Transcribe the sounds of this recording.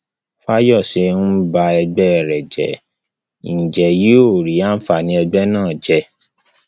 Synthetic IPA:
fa˦jɔ˦˨se˨˧hũ˦ba˧ɛ˧ɡ͡bɛ˦ɛ˨ɾɛ˨d͡ʒɛ̰˨ | i˨n̩˨d͡ʒɛ˨ji˨˦o˦˨ɾi˨˦a˦n̩˦fa˧˨nĩ˧˦ɛ˧ɡ͡bɛ˦nãː˦˨d͡ʒɛ˧˦

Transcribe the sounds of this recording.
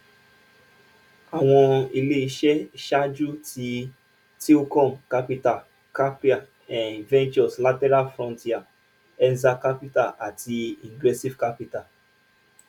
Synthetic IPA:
a˨w̃ɔ̃˧i˧le˦i˧ʃɛ˦ʃa˦d͡ʒu˦tʰi˧ | ti˦u˦kɔ̃˦˨mka˦pi˦ta˨ | ka˦pi˦a˨ | ɛ̃˨vɛ̃˦nt͡ʃɔ˨sla˦tɛ˦ɾa˦lfɾɔ̃˧nti˦a˨ | ɛ˦nza˦ka˦pi˦ta˦˨ʔa˨ti˧ĩ˨ɡɾɛ˦si˦vka˦pi˦ta˨

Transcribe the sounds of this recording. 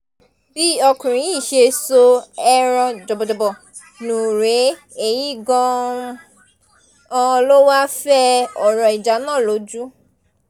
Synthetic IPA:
bi˦ɔ˧kũ˨ɾ̃ĩ˨˦i˦˨ʃe˧so˧ɛ˧ɾ̃ã˧d͡ʒɔ˨bɔ˨d͡ʒɔ˨bɔ˨ | nũ˨ɾe˨˦ | e˨ji˦ɡɔ̃˧ | ɔ̃˧lo˦wa˦fɛ˦ɔ˨ɾɔ˨i˨d͡ʒa˨˦nã˦˨lo˨˦d͡ʒu˦

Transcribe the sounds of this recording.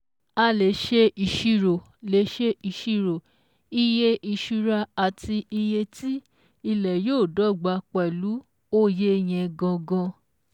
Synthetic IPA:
a˧le˨˦ʃe˦i˨ʃi˦ɾo˨ | le˨˦ʃe˦i˧˨ʃi˦ɾo˨ | i˧je˧ʔi˧˨ʃu˧ɾa˧a˨ti˧i˧je˧ti˦ | i˧lɛ˨joː˦˨dɔ˨˦˨ɡ͡ba˧˦k͡pɛ˨lu˨˦ | o˦je˦˧j̃ɛ̃˧ɡɔ̃˧ɡɔ̃˧

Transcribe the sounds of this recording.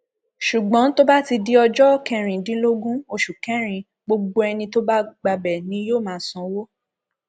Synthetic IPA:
ʃu˨ɡ͡bɔ̃˨˦to˦ba˦ti˧di˦ɔ˧d͡ʒɔ˦kɛ˧ɾ̃ĩ˨dĩ˨˦lo˦ɡũ˦o˧ʃu˨kɛ̃˨˦ɾ̃ĩ˨ | ɡ͡bo˧ɡ͡bo˧ɛ˧nĩ˧to˦ba˦ɡ͡ba˧bɛ˨nĩ˧˦joː˦˨mãː˨˦˨sɔ̃˨˧˦wo˦

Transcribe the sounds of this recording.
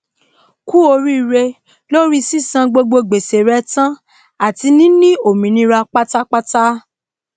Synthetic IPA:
ku˦o˧ɾi˦˧ɾe˧ | lo˦ɾi˦si˦sã˧ɡ͡bo˧ɡ͡bo˧ɡ͡be˨se˨ɾɛ˧˦tã˦ | a˦˨ti˧˦nĩ˦nĩ˦o˨mĩ˨nĩ˧˦ɾa˧k͡pa˦ta˦k͡pa˦ta˦

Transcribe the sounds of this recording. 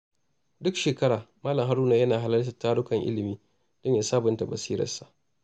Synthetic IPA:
dʊ˦kʃeː˨kɐ˦ɽaː˨maː˦lɐ˨ŋɦa˦ɾuː˦na˨jɐ˦naː˨ɦa˦lɐ˦ltɐ˨taː˦ɽʊ˦kɐ˨ŋʔɪ̰˦lɪ˨miː˦ | d̥ɔ˦ɲjaː˨saː˦bʊ˨nta˨bɐ˨siː˦ɾɐ̰˨rsa˨ʔ

